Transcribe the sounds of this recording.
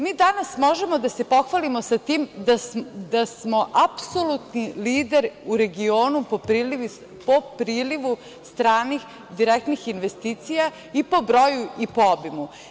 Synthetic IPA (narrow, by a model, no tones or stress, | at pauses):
miːd̪anasmo̞ʒe̞mo̞d̪ase̞po̞xʋalimo̞sat̪iːmd̪ad̪asmo̞ʔapso̞lut̪niliːd̪eɾuɾe̞ɡio̞ːnupopɾiliʋi | popɾiːliʋu | st̪ɾaːnix | d̪iɾek̚t̪nixinʋest̪iːt̪sija | ipo̞bɾo̞juipoobimu